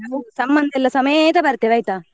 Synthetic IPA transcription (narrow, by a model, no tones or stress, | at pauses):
ɐsɐmbɐnd̪ʱɛlːɐsɐmɐt̪ɐbɐɾt̪ːeʋɐjt̪aː